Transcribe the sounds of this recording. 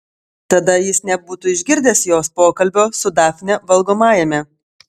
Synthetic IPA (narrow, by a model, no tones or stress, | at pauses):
t̪ɐd̪ɐjɪsnʲɛbuːt̪uɪʒʲɡʲɪɾʲd̪ʲeːsjoːspoːkɐlʲbʲoːsʊd̪ɑːfʲnʲɛʋɐlˠɡoːmɑːjɛmʲɛ